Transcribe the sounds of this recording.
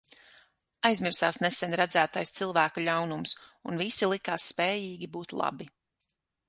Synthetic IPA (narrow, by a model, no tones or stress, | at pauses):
ajzmiɾsaːsnesɛnʲɾæd̪zæːt̪ajst̪silˠvæːkulʎʲawnumsunvisilˠikaːsːpɛːjiːɡʲibuːt̪lˠa̰bi